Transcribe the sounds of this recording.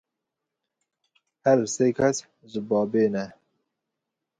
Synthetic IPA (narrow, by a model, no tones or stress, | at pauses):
hæɾseːkʰɛs | ʒɨbɑːbeːnɛ